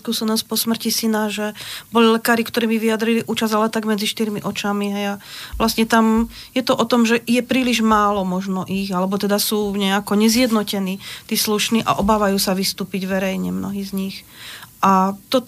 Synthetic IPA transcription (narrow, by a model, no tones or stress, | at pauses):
skuːsɛnɔsc̚pɔsmr̩cisinaʒɛbɔlilɛkaːɾikt̪ɔɾiːbiʋijad̪ɾiliʔuːt͡ʃazalɛt̪aɡmɛd͡ziʃt̪iɾmiʔɔt͡ʃamiɦɛjaʋlasɲɛt̪am | jɛt̪ɔʔɔt̪ɔmʒɛjɛpɾiːliʒmaːlɔmɔʒnɔʔiɣalɛbɔt̪ɛd̪asuːɲɛakɔɲɛzjɛd̪nɔcɛniːt̪iːsluʃniːʔa̰ʔɔbaːʋajuːsaʋist̪uːpiɟʋɛɾɛjɲɛmnɔ̰ɦiːzɲixʔat̪ɔ